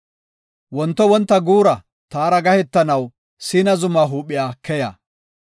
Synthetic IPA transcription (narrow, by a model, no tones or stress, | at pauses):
wɔnt̪ːɔwɔnt̪ːɐɡuːɾɐ | t̪aːɾɐɡɐhɛt̪ːɐnɐw | siːnɐzʊmaːɦuːpːɪjaːkɛja̰ː